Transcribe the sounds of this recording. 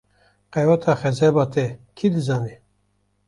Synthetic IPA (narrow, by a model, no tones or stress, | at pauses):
qɛwat̪ʰɑːxɛzɛbɑːt̪ʰɛkʰid̪ɨzɑːne